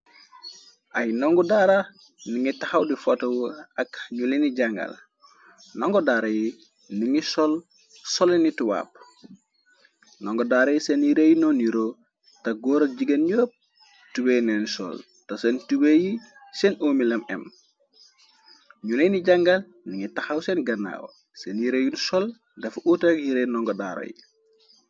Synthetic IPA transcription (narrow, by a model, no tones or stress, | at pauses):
ʔajnoŋɡudaɾa | niŋitahawdifotɐwuɐkɲuliniɟaŋɡa̰l | nɔŋɡɔdaɾaji | niŋisɔl | sɔlinituwa̰ːp̚ | noŋɡɔdaɾajiseniɾejinoniɾo | tɐɡoːɾɐɟiɡɐnɲoːp̚ | tuwenɛnsɔ̰l | tɐsentubeji | sɛnʔoːmilɐmɛm | ɲunejniɟɐŋɡal | niŋitaxawsɛnɡɐnːa̰ːwɐ̰ | senjiɾejunsɔl | dɐfuʔutakjiɾenɔŋɡɔda̰ɾo̰jḭ